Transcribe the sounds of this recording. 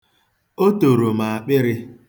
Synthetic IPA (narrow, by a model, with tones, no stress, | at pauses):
o˦to˨ɾo˨ma˨a˨k͡pɪ˦ɾɪ˦